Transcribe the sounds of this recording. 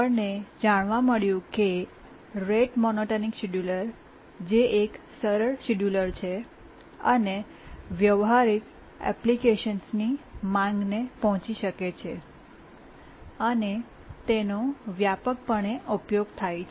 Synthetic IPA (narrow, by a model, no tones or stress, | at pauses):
əned͡ʒaɽ̃ʋaməɭjũke | ɾeʈmɔnoʈəniksiɖjuləɾ | d͡ʒeʔek | səɾəɭsiɖjuləɾt͡ʃʰe | əne | ʋjəʋɦaɾik | ɛ̰plikeʃənsnimãŋɡnepɔɦɔ̃t͡ʃiʃəket͡ʃʰe | əne | t̪enoʋjapək̚pəɳeʔupjoɡt̪ʰajt͡ʃʰ